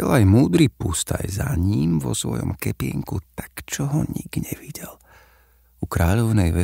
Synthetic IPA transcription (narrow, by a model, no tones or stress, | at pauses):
ɛlajmuːd̪ɾipust̪ajzaɲimʋɔsʋɔjɔ̰mkɛpɪɛŋkut̪ḁkt͡ʃɔɦɔɲiɡɲɛʋiɟɛl | ukɾaːʎɔʊnɛjʋɛ